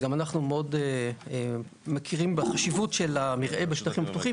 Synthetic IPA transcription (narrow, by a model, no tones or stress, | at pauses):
ɡamanaχnumeo̞dee | mekʰiʁimbeχaʃivutʃe̞lamiʁʔe̞beʃtaχimaptuχim